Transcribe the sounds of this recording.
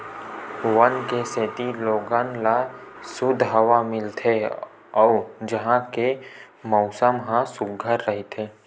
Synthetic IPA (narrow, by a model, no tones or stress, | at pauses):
wənkeseːt̪iloːɡãːnlasʊd̪ʱɦɐʋamɪlt̪ʰe | ɔːd͡ʒəɦãke | mɔʊsəmɦãsʊɡʱəɾːəɦit̪ʰeː